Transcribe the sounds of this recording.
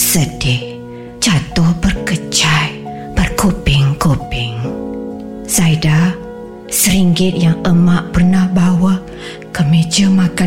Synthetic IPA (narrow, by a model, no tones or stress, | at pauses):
sədɪh | t͡ʃat̪ʊhbərkət͡ʃaj | b̥ərkopɪŋkopɪŋ | saida | səɾiŋɡɪt̪̚jaŋəmaʔpərnahbawa | kəmed͡ʒəmaka